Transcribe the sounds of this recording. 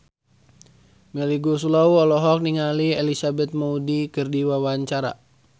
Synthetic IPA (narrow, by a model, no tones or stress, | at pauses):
mɛliɡusulauɔlɔɦɔk̚niŋaliɛlisabɛt̪̚maudikɨrdiwawaɲt͡ʃaɾa̰